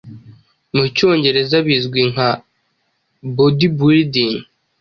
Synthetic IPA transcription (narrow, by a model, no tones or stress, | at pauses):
muco̞ːɲɟe̞ɾe̞zaβizɡwiŋa | bodibuɾidin